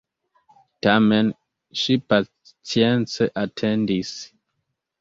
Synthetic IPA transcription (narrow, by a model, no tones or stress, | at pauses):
tamɛn | ʃipa | t͡sjɛnsɛʔatʰɛndis